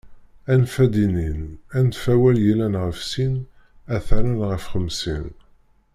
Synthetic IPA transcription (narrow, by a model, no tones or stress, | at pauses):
ænfæd̪ininænt̪fæwæljilænʁəfsin | æθæɾænʁəfχəmsḭn